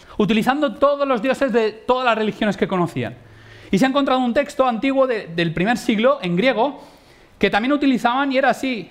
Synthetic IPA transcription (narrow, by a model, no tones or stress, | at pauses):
ut̪iliθand̪ot̪o̞ðozlo̞zðjo̞se̞zðe̞t̪o̞ðazlasrelixjo̞neske̞ko̞noθḭa̰n | iseaeŋko̞nt̪ɾaðount̪e̞kst̪oant̪iɣwo̞ðeðe̞lpɾime̞ɾsiɣlo̞ʔe̞ŋɡɾje̞ɣ̞o̞ | ke̞t̪amjenut̪iliθaβanie̞ɾaːsi